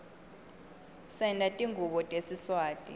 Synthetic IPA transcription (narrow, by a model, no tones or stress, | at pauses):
sɛndʱʼatʼiŋɡʱuɓɔtʼesiswaːtʼḭ